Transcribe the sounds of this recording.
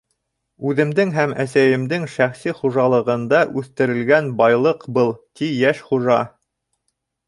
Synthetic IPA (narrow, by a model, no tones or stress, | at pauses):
ʉðɘ̆md̪ɘŋɦæmæsæjɘ̆md̪ɘŋʃæχsiχuʒɑlˠɤ̆ʁɤ̆nd̪ɑʔʉθt̪ɘ̆ɾɘ̆lɡænbɑjlˠɤqbɤlˠt̪ijæʃχuʒɑ